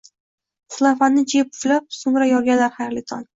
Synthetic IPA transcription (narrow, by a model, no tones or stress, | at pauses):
χʊlˠafanːɪd͡ʒepʊflap̚sʊmɾajɒɾɡʲanlaɾhajɾlɪt̪ʰɒn